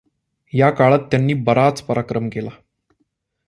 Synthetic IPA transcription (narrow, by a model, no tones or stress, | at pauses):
jakaɭat̪ːjanːiːbəɾat͡spəɾʔakɾəmkela